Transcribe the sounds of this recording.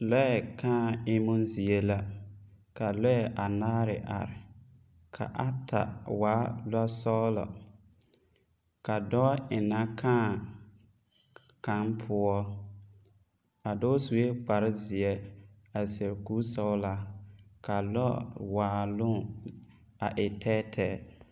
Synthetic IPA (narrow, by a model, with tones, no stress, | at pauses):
lɔ˦ɛ˨kãː˦˨ɪ˦mʊ˦n˦zi˨e˦la˦ | ka˨lɔ˦ɛ˨ʔa˨naː˦ɾɪ˨ʔa̰˨ɾɪ˨ | kʰa̰˨ʔa˦ta̰˨waː˨˦la˦sɔ˦la̰˨ | ka˨dɔ˦ʔɪ˨na˦kʰãː˦˨ | ka˦npʰʊ˦ɔ˦ | a˨dɔ˦su˨we˦k͡pa˨ɾɪ˦zɪ˨ɛ˦ | a˨sɛ˨ɾku˦sɔ˦ʊ˦la˦ka˨lɔ˦waː˨˦˨lʊ˦ | a˨ʔɪ˨tʰɛ˦tʰɛː˦